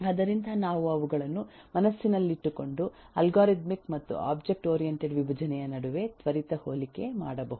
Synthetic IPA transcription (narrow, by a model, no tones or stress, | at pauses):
ɐd̪ɐɾind̪ʱɐnaːʋuɐʋuɡɐɭɐnːu | mɐnɐsːinɐlːiiʈːuko̞ɳɖu | ɐlɡaːɾit̪mikmɐt̪ːṵa̰ːbd͡ʒe̞k̚ʈoːɾijeɳʈeɖʋibʱɐd͡ʒɐnɛjɐnɐɽuʋe̞t̪ʋɐɾit̪ɐhoːlikːe̞ma̰ːɽɐbɐːɦu